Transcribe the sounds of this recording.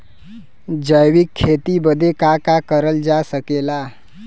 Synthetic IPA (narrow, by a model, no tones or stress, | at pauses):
d͡ʑəjʋikʰːet̪ibəd̪ʱekakakəɾəld͡zasəkela